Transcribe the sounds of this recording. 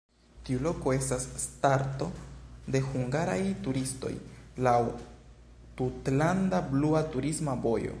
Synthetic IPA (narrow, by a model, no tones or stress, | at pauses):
tiulo̞ko̞e̞stasːtaɾto̞de̞huŋɡaɾajtuɾisto̞̰jlaw | tutlandabluatuɾismabo̞jo̰